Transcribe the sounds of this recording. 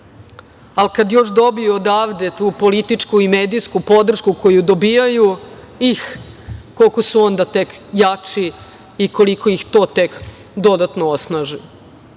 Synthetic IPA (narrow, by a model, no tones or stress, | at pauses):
alkad̪jo̞ʂd̪o̞biuod̪aːʋd̪e̞t̪uːpo̞lit̪it͡ʂkuimeːd̪iskupo̞d̪r̩ʃkuko̞jud̪o̞biːjaju | ix | ko̞lko̞suo̞nd̪at̪e̞kjat͡ʂi | iko̞likoixt̪o̞ːt̪e̞k | d̪o̞d̪at̪noosnaːʒi